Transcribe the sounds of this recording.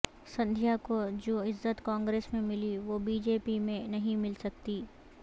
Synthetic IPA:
sɐ̃nd̪ʱjakod͡ʒoːɪzːət̪kãːŋɡɾeːsmẽmɪliʋobiːd͡ʒeːpimẽnɐɦĩmɪlsɐkt̪iː

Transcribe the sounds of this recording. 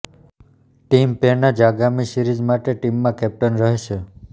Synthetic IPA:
ʈimpeɾnad͡ʒaɡamisiɾid͡ʒmaʈeʈimːãkɛp̚ʈənɾəɦeʃʰe

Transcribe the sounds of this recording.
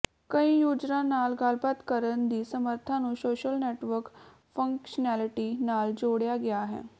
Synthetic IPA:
kəĩjuːd͡ʒɾãnaːlɡaːlpat̪kəɾənd̪iːsəməɾt̪ʰãnũːsoːʃəlneːʈʋəɾk | fə̃ŋkʃənæliʈinaːld͡ʒoːɽjaɡjaɦɛ̰ː

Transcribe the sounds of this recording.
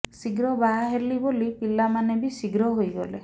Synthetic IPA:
siɡɾɔbaɦaɦelibolipilamanebisiɡɾɔɦojɡɔle

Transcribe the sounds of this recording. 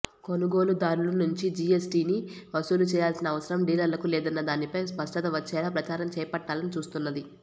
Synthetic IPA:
ko̞nuɡo̞ːlud̪aːɾulɐnuɲt͡ʃid͡ʒiesʈiːni | ʋɐsuːlut͡ʃɛːjaːlsinɐːʋɐsɐɾɐmɖiːlɐɾlɐkulɛːd̪ɐnːɐd̪aːnipɐjspɐʂʈɐt̪ɐʋɐt͡ʃːɛːlaːpɾɐt͡ʃaːɾɐmt͡ʃɛːjɐpɐʈːaːlɐnit͡ʃuːst̪unːɐd̪i

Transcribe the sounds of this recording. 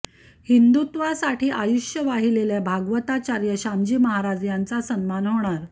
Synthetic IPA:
hind̪ut̪ʋasaʈiːʔajuʂjəʋaɦileljabʱaɡʋət̪at͡ɕaɾjəɕamd͡ʑiːməɦaɾad͡zjant͡sasənmanɦoɽ̃aɾ

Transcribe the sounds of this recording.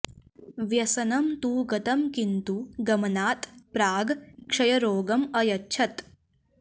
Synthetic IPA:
ʋjɐsɐnɐmt̪uːɡɐt̪ɐmkint̪uɡɐmɐnaːt̪pɾaːɡkʂɐjɐɾoːɡɐmɐjɐtːʃʰɐt̪

